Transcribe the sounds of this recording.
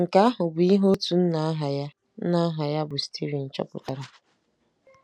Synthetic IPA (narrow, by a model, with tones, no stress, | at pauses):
ŋ̩˨ka˦a˦ɦʊ˨bʊ˨i˦ɦo˦tu˨n̩˦na˨a˦ɦa˨ja˦ | na˦a˦ɦa˨ja˦bʊ˨si̥˨tʰi˦ɾi˨n̩˨t͡ʃɔ̰˦pʊ̰˨ta˨ɾa˨